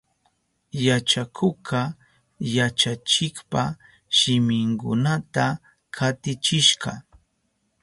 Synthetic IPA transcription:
jat͡ʃakʰʊkʰɑ | jat͡ʃat͡ʃɪkpa | ʃɪmɪŋkʊ̰nat̪a | kʰat̪ɪt͡ʃɪʃɢɑ̰

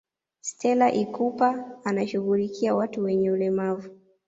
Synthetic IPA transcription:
stʰɛlaʔikupaːnaʃuɣulikʰiawatuwɛɲɛulɛmavu

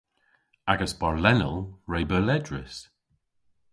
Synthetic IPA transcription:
aɡəsbaɹlɛnəlˠɹejbəlɛdɹɪ̰s

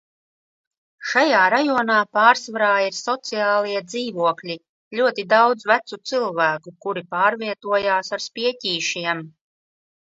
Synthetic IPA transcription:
ʃajaːɾajɔɔnaːpaːɾsvaɾaːiɾsɔt̪sijaːlˠiɛd̪ziːvuɔklʲi | ʎʲuɔt̪id̪awd̪zvæt̪sut̪sɨlˠvæːkukuɾipaːɾvʲiɛt̪uɔjaːsaɾspʲiɛcʲiːʃiɛm

